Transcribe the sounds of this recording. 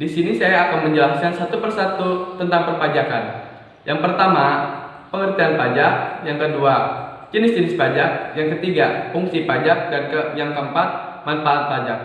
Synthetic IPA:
disinisajaːkanməɲd͡ʒəlaskansat̪upərsat̪ut̪ənt̪aŋpərpad͡ʒakan | jʔaŋpərt̪ama | pəŋərt̪ianpad͡ʒak̚jaŋkədua | t͡ʃənɪsd͡ʒənɪspad͡ʒak̚jaŋkət̪iɡafuŋsipad͡ʒak̚dankəjaŋkəəmpat̪̚ | manfaat̪̚pad͡ʒak̚

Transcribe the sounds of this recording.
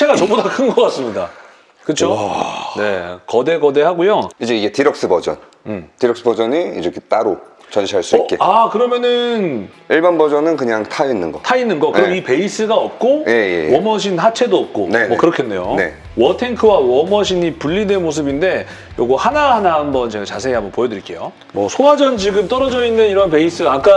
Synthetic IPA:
t͡ɕʰe̞ɡat͡ɕʌbodakʰɯnɡʌk͈ats͈ɯmɲiɡa | kɯt͡ɕʰone̞kʌde̞ɡʌde̞ɦaɡojoid͡ʑeiɡe̞tiɾʌk̚s͈ɯbʌd͡ʑʌ̰n | ɯtiɾʌk̚s͈ɯbʌd͡ʑʌniid͡ʑeket͈aɾo | t͡ɕʌnɕʰiɦaɭs͈uikk͈e̞akɯɾʌmjʌnɯn | iɭbanbʌd͡ʑʌnɯnkɯɲaŋtʰainːɯnɡʌtʰainːɯnɡʌkɯɯɡʌmipe̞is͈ɯɡaʌp̚k͈oje̞jḛwʌmʌɕ̬ʰinhat͡ɕʰe̞doʌp̚k͈onemʌkɯɾʌkʰenːe̞jone̞̰ | wʌtʰe̞ŋkʰɯwawʌmʌɕʰiɲipuʎːide̞nmos̬ʰɯbinde̞ | joɡuhanaɦanaɦambʌnt͡ɕe̞ɡat͡ɕasʰe̞ɡeambʌnpojʌdɯɾik͈e̞̰jo | mʌsʰoɦad͡ʑʌnd͡ʑiɡɯmt͈ʌɾʌd͡ʑʌindeiɾʌnpe̞is͈ɯɡaak͈a

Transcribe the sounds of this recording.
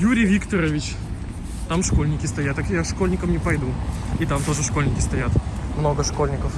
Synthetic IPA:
juɾʲɪjvʲikt̪əɾəvʲɪt͡ɕ | t̪amʂko̞lʲnʲɪkʲɪst̪ɐjat̪ːakjaʂkolʲnʲɪkəmnʲɪpɐjd̪uit̪amt̪o̞ʐɨʂkolʲnʲɪkʲɪ̥st̪ɐjat̪mnoɡəʂkolʲnʲɪkəf

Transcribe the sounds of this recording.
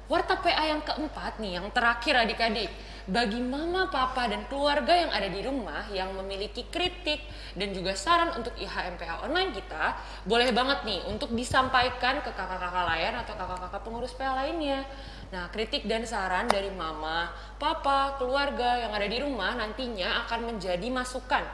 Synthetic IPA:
wart̪apeʔajaŋkəʔəmpat̪̚nijaŋt̪əɾakɪradikadɪk̚ | baɡimamapapadankəluarɡajaŋʔa̰dadiɾumahjaŋməmilikikɾit̪ɪk̚ | dand͡ʒuɡasaɾanunt̪ʊkiɦaɛmpeʔaonlainkit̪a | bolɛhbaŋət̪̚niunt̪ʊk̚disampajkankəkakakakalajanat̪awkakakakapəŋuɾʊspealaɪnɲa | nahkɾit̪ɪk̚dansaɾandaɾimama | papakəluarɡajaŋadadiɾumahnant̪iɲaːkanməɲd͡ʒadimasukan

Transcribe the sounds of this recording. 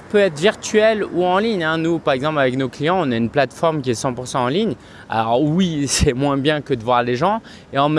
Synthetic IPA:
pøɛt̪χviʁt̪ɥɛluɑ̃liɲɛ̃nupaʁɛɡzɑ̃plavɛknoklijɑ̃ɔ̃naynplat̪fɔʁmkʲiɛsɑ̃puʁsɑ̃ɑ̃liɲ | a̰lɔʁwisɛmwɛ̃bjɛ̃kəd̪əvwaʁleʒɑ̃ | eɑ̃m

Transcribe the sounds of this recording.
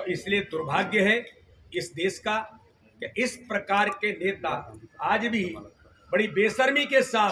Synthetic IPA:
ɪslied̪ʊɾbʱaːɡjəɦɛ | ɪsd̪eːʃka | keʔɪspɾɐkaːɾkeneːt̪aaːd͡ʒbʱi | bɐɽibeːsəɾmikesaː

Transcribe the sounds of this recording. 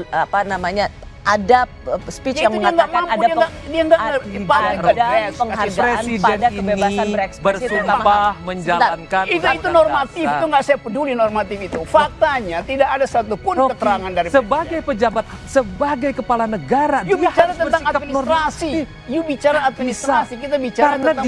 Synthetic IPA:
apanamaɲa | ada | spijaŋmdaŋɡaʔmamuaɡadiaŋɡaʔəpaiadaəŋaɾesidɛndaiəbenasaɛksbərssuabahməɲd͡ʒaankaniit̪unormat̪ifit̪uŋɡaʔsajapədulinormat̪ɪfit̪ufak̚t̪aɲat̪idakadasat̪upʊnkət̪əɾaŋandaɾisəbaɡajpəd͡ʒabat̪̚səbaɡajkəpalanəɡaɾajubit͡ʃaɾat̪ət̪ŋataminint̪ɾasi | jubit͡ʃaɾaːt̪̚minist̪ɾasikit̪̬abit͡ʃaɾaənaa

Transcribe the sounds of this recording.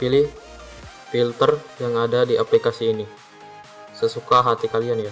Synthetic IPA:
pilɪh | filt̪ərjaŋadadiʔaplikasiːni | səsukaɦat̪ikalianja

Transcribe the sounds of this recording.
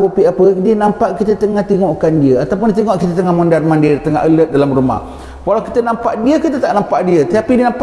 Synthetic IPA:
opiapədinãmpaʔkit̪ət̪əŋaht̪eŋɔʔkandiəat̪awp̬ʊndit̪əŋɔʔkit̪ət̪əŋamɔndarmãndiəɾt̪əŋa̰ʔələt̪̚dalamruma̰h | walawki̥t̪ənampaʔdiəkit̪ət̪aʔnampaʔdiət̪ət̪apidiənamp

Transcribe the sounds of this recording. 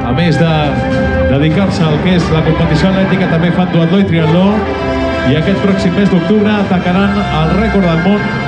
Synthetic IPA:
ə̰mezðə | d̪əðikaɾsəːlˠkezləkumpət̪isjolɛt̪ikət̪əmbefand̪uald̪oit̪ɾiald̪o | iəkɛt̪̚pɾɔksimːezd̪uk̚t̪uβɾəːt̪əkəɾanəlˠrɛkoɾðəlˠmon

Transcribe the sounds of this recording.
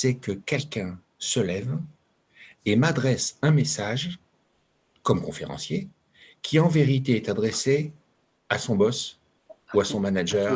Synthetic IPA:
sɛkəkʲɛlkʲɛ̃ | səlɛv | emad̪ʁɛsɛ̃mesaʒ | kɔmkɔ̃fḛʁɑ̰̃sje | kʲʰiɑ̃veʁit̪̬eɛt̪ad̪ʁese | asɔ̃bɔs | uasɔ̃manaʒɛːʁ

